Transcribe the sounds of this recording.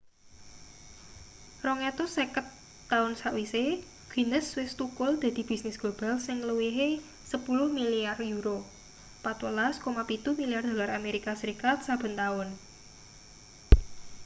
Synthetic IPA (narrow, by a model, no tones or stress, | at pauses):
rɔŋet̪ɔsekət̪ː | aʊnsaʔwise | ɡ̥i̤nəswɪst̪ukʊld̪̥ä̤d̪̥i̤b̥i̤snɪsɡ̥ob̥a̤lsɪŋluwiɦe | səpulʊhmiliarjuɾo | pat̪wəlaskomapit̪umiliard̪̥o̤larameɾikasəɾikat̪̚sab̥ə̤nt̪aʊn